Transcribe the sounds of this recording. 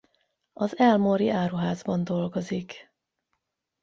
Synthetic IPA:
ɒzɛlmoɾiʔaːɾuɦaːzbɒnd̪o̞lɡo̞zik

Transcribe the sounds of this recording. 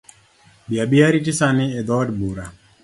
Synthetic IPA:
biabiaɾitisanɪed̪ɔdbuɾa

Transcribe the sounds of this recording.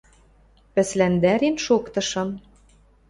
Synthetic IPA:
pɘ̆slænd̪æɾenʃokt̪ɤ̆ʃɤ̆n

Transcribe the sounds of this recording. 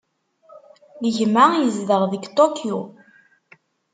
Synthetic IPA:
ləʝmajəzðəʁðəɡt̪okju

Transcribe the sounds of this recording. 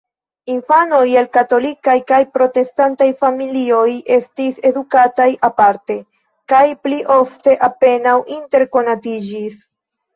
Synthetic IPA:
infano̞jelkato̞likajkajpɾo̞te̞stantajfamilio̞je̞stise̞dukatajʔapaɾte̞ | kajpliʔo̞fte̞ʔape̞nawinte̞ɾko̞natid͡ʒis

